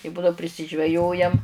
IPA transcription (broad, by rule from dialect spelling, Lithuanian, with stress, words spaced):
ɪ ˈbʊdɐʊ pʲrʲɪsʲɪʒʲʋʲɛˈjoːjɛm